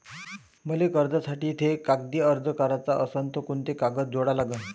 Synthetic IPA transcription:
məlekəɾd̪ʱasaʈiːt̪ʰekak̚d̪iːəɾd͡zəkaɾat͡saʔəsənt̪ʰəkuɳt̪ekaɡət̪̚d͡zoɽalaɡə

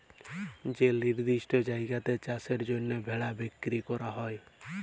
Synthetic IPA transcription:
d͡ʒeliɾd̪isʈɔd͡ʒajɡat̪et͡ʃaseɾd͡ʒonːɔbʱeɭabekːɾikɔɾaɦɔe

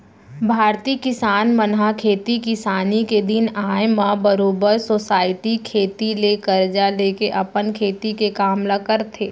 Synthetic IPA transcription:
bʱaːɾt̪iːkɪsaːnmənɦakʰeːt̪ikɪsaːniked̪ɪnaːjmãbəɾoːbəɾsosaːɪʈikʰeːt̪ileːkəɾd͡ʒaleːkeʔɐpənkʰeːt̪ikekaːmlakəɾt̪ʰeː

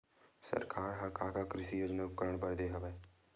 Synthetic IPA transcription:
sə̰ɾkʰaːɾɦɐkaːkakɾɪʃijoːd͡ʒnaʊp̚kəɾəɽ̃bəɾd̪eɦɐʋeː

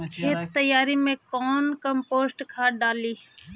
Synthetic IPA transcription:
kʰeːt̪t̪əjːaːɾimẽkɔːnkə̃mpoːsʈkʰaːɖaːliː

